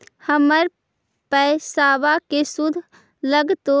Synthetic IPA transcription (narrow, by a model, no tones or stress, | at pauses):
həməɾ | pəsaːʋakesud̪ʱ | ləɡt̪o